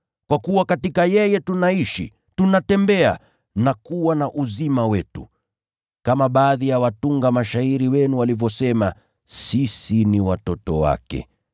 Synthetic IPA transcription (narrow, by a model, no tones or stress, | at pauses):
kwakuwakatikajɛjɛtunaiʃḭ | tunatɛmbɛa̰ | nakuwanaʔuzimawɛtu | kamaɓaːðijawatuŋɡamaʃaiɾiwɛnuwalivjɔsɛma | sisiniwatɔtɔwa̰kɛ̰